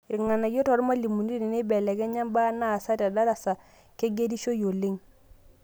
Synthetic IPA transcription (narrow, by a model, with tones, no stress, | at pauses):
ɾŋa˨na˨jo˦tɔ˨ɾma˦li˨mu˨n˦i˦ne˨ne˦bɛ˨lɛ˨kɛ˦ɲa˦mba˦na˦˨sa˦ta˨da˦ɾa˨sa˨ | ke˦ɡe˦di˦ʃo˦jo˨le˦ŋ